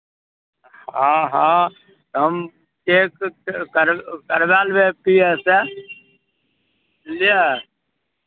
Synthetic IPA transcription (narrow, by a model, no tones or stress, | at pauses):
hãɦã | t̪ɦəm | t͡ʃekkəɾkəɾbalbepiese | lie